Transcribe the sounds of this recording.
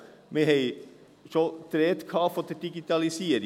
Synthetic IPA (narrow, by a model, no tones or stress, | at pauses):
meɦɛɪ | ʃod̪̥ɾeːt̪kʰhɑːfod̪əd̥iɡit̪ɑlisiːəɾɪ